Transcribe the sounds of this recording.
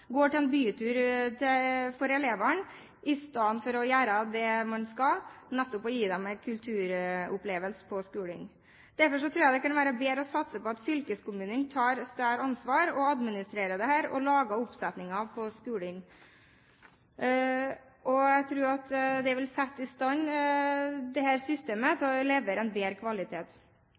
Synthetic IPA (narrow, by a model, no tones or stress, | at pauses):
ɡoːʈɪlɛnbyːt̪ʰʉːɾt̪ʰɛfɔɾɛleːʋəɳ | ɪst̪ɑənfɔɾɔjæːɾəd̪ɛmɑnskɑlnɛt̪ːʊpɔjiːd̪ɛmækʰʉlt̪ʰʉːɾʊpleːʋəlsə̥pʰɔskʉːlɪ̰ŋ | d̪̥æɾfɔʂɔt̪ʰɾʉːjæɪd̪ɛkɑnʋæːɾəbeːɾəɔsɑt̪səpɔɑt̪fʏlkəskʊmʉːnənt̪ʰɑːɾst̪æːɾɑnsʋɑːɾɔɑd̪mɪnɪst̪ɾeːɾəd̪ɛhæːɾɔ̰lɑːɡɑʊpsɛt̪nɪŋɑpʰɔskʉːlɪŋ | ʔɔjæt̪ʰɾuːɾɑt̪d̪ɛʋɛlsɛt̪ːɪst̪ɑnː | d̪ɛhæːɾsʏst̪eːmət̪ɔleːʋəɾɛnbeːɾkʰʋɑlɪt̪ʰeːt̪